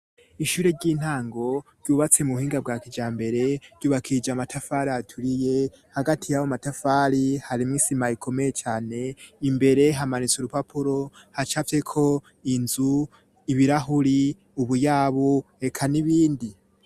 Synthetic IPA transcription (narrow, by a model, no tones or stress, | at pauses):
iʃuːɾe̞ɾɟiːn̥haːŋɡo̞ɾɟuːβat͡se̞muuhiːŋɡabɡaːkid͡ʒaːmbe̞ɾe̞ɾɟ̥uːβakʰid͡ʒamatafaːɾiatʰuɾije̞ | haɡatʰijawomatafaːɾihaɾimŋiːsimaikʰo̞me̞je̞t͡ʃaːne̞imbe̞ɾe̞ɦamanit͡suɾupapʰuɾo̞hat͡ʃavje̞kʰo̞ | inzu | iβiɾaɦuɾi | uβujaːβoe̞kʰaniβiːndi